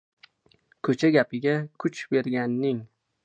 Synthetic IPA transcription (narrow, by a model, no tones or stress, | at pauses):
kʰɵt͡ʃʰaɡʲapɪɡʲakʰʊt͡ʃbe̞ɾɡʲanːɪŋ